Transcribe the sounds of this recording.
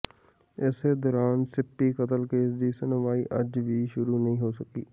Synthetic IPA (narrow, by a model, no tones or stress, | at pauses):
ɛːsed̪ɔːɾaːnsɪpːikɐt̪əlkeːsd̪isenəʋaːiʔɐd͡ʒbʱiʃʊɾunɐɦĩɦosɐkiː